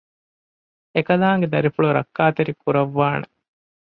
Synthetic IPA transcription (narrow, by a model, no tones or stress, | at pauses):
ekɐlaːŋɡed̪ɐɾifuɭuɾɐ̰kːaːt̪eɾikuɾɐʋːaːne